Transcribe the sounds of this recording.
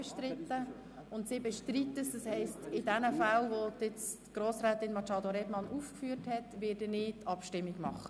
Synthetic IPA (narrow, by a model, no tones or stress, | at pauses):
ɛʃtɾɪtːə | ʊntsɪbɛʃtɾitːəsdɑshɛɪstɪdɛnəfalʋodɪt͡stɡ̥ɾoːsɾæːtɪnmɑt͡ʃɑːdoɾɛbmɑnʔuːfkfyːɾthɛtʋɪːdənɪːtɑpʃtɪmːiɡmɑχə